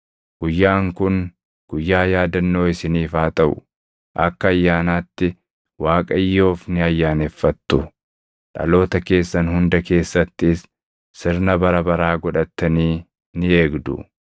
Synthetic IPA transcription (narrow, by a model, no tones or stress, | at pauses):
ɡ̥ʊjːaːŋkʊn | ɡ̥ʊjːaːjaːd̪ɐnːo̞ːɪsɪniːfaːt̪ɐʔʊ̥̰ | ʔɐkːɐːjːaːnaːt̪ːɪ | waːkʼɐjːo̞ːfnɪɐjːaːnefːɐt̪ːʊ | ᶑɐ̰lo̞ːt̪ɐke̞ːsːɐnhʊnd̪ɐke̞ːsːɐt̪ːɪsː | ɪɾnɐbɐɾɐbɐɾaːɡɔᶑɐt̪ːɐniː | nɪe̞ːɡd̪ʊ̰